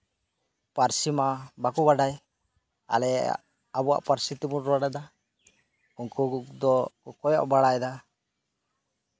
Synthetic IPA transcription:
paɾsimabakubaɖaj | a̰lɛ | abɔwa̰ʔpaɾsit̪imuɾaɽad̪a | uŋkud̪ɔkɔjɔ̰ʔbaɽajd̪a

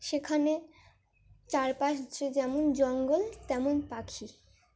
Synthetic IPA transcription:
ʃekʰane | t͡ɕaɾpaʃt͡ɕed͡ʑɛmond͡ʑɔŋɡolt̪ɛmonpakʰi

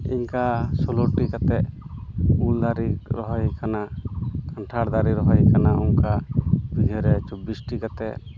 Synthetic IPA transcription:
ḭɲkasɔloɾʈikat̪ɛʔ | uld̪aɾiɾɔɦɔjkanakaɳʈʰaɽd̪aɾiɾɔɦɔjkanauŋkabiɡʱɛɾɛt͡ʃɔbisʈikat̪ɛʔ

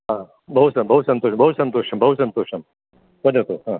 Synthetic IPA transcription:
ɦã | bʱɐɦut̪sɐbʱɐɦut̪sɐnt̪oːʃbʱɐɦut̪sɐnt̪oːʃɐmbʱɐɦut̪sɐnt̪oːʃɐm | bɐdɐt̪oɦãː

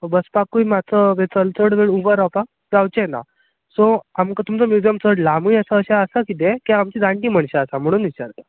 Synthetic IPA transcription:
obəspakujmat͡səʋet͡səlt͡səɽʋeɭuʋəɾapa | d͡zawt͡ɕena̰ | sɔamkat̪umt͡sɔmjud͡ʑijəmt͡səɽlamujəsaəɕaəsakit̪̬ekaamt͡ɕid̪ãɳʈiːm̤əɳɕaəsam̤əɽ̃uːnit͡ɕaɾt̪ḁ

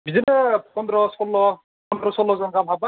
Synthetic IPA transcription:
bizinɛpɔnd̪ɾɔsɔlːɔ | pɔnd̪ɾɔsɔlːɔzɔŋɡabʱaba

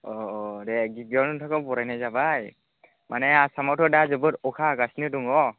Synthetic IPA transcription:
ɔdɛɡibiɔnuntʰakɔbɔɾajnajzabaj | mʔanɛasamɔtʰɔdazɯbɯɾɔkʰaɡasnɯduŋɔ

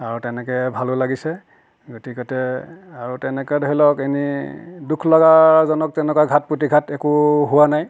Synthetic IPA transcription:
aɹutɛnɛkɛbʱalolaɡisɛ | ɡotikɔtɛaɹutɛnɛkɔdɔɦilɔkenidukʰlɔɡazɔnɔk̚tɛnɛkaɡʱat̚putiɡʱatɛkuɦʊwanaj

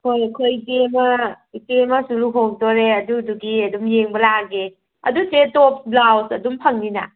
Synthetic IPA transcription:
hojkʰojtemɐ | itemɐsuluɦoŋdoɾeɐduduɡiɐdumjeŋbɐlaɡe | ɐ̰dutetop̚ʰblawsɐdumpʰɐŋninɐ̰

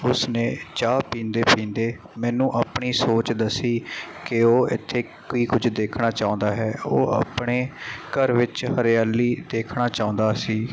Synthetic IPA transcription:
ʊsnẽːt͡ʃaːpĩːnd̪eːpĩːnd̪eː | mɛːnũːʔaːpɳiːsoːt͡ʃd̪əsiːkɪoːɪ̰t̪ʰːeː | koiːkʊd͡ʒʱd̪eːkʰnaːt͡ʃaːʊ̃nd̪aːɦɛːoːa̰pɳeːkəɾʋɪt͡ʃhəɾjaːliːd̪eːkʰnaːt͡ʃaːʊ̃nd̪aːsiː

